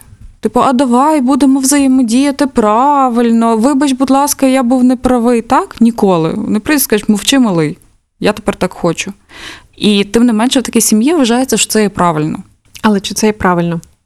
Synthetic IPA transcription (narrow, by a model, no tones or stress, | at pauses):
t̪ɪpɔʔɐd̪ɐʋɑjbud̪emɔwzɐjɛmɔdʲijɐt̪ɪpɾɑʋɪlʲnɔʋɪbɐt͡ʃbʊd̪lˠɑskɐjabuwnepɾɐʋɪjt̪ɑknʲikɔlˠɪ̰ɔ̰nɪpɾɔiskɐmɔwt͡ʃɪmɐlˠɪj | jat̪e̥pɛrt̪ɑkxɔt͡ʃʊ | it̪ɪmnɪmɛnʃɛʋt̪ɐkʲɛsʲimjiʋʋɐʒɑjet͡sʲːɐʃɔ̥t̪sɛjɛpɾʔɑʋɪlʲnɔ̰ | ɐlˠɛt͡ʃɪt̪sɛjɛpɾɑʋɪlʲnɔ